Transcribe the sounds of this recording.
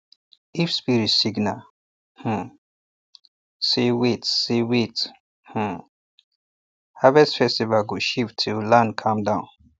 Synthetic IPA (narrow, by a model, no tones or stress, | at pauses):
ifspiɹisiɡna | h̩ | sewitsewit | h̩ | havɛsfɛstivaɡuʃivtʰulãnkʰãmdãʊ̃n